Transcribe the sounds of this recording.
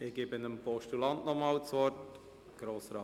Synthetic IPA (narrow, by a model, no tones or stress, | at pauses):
ɪɡ̥ɪːbɪnəmpɔʃtulɑntnɔmɑːlt͡sʋɔɾt | ɡ̥ɾoːsɾɑː